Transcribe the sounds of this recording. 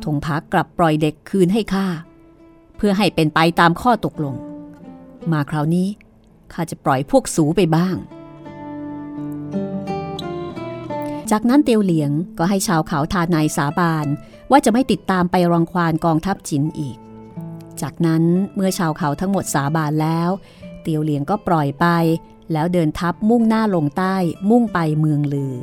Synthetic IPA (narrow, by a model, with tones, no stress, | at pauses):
t̪ʰo˨˩˦ŋpʰa˦˥kla˨˩pːɾɔ˨˩jde˨˩kʰːɯː˧nɦa˥˩jkʰaː˥˩ | pʰɯ˥˩ɐɦa˥˩jpe˧npa˧jt̪aː˧mkʰɔː˥˩t̪o˨˩k̚lo˧ŋ | maː˨˦kʰɾa˩˦wniː˦˥ | kʰaː˥˩t͡ɕa˨˩pɾɔ˨˩jpʰu˥˩ək̚suː˩˦pa˧jbaː˥˩ŋ | t͡ɕaː˨˩k̚na˦˥nt̪i˧əwli˩˦əŋkɔː˥˩ɦa˥˩jt͡ɕʰaː˧wkʰa˩˦wt̪ʰaː˧na˧jsaː˩˦baː˧n | waː˥˩t͡ɕa˨˩ma˥˩jt̪i˨˩t̪ːaː˧mpa˧jɾa˧ŋkʰwaː˧nkɔː˧ŋt̪ʰa˦˥p̚t͡ɕi˨˧˦nʔiː˨˩k̚ | t͡ɕaː˨˩k̚na˦˥nmɯ˥˩ɐt͡ɕʰaː˧wkʰa˩˦wt̪ʰa˦˥ŋmo˨˩t̪̚saː˩˦baː˧nlɛː˦˥w | t̪i˧əwli˨˩˦ŋkɔː˥˩pɾɔ˨˩jpa˧j | lɛː˦˥wdɤː˧nt̪ʰa˦˥p̚mu˥˩ŋnaː˥˩lo˧ŋt̪aː˥˩jmu˥˩ŋpa˧jmɯ˧əŋlɯː˧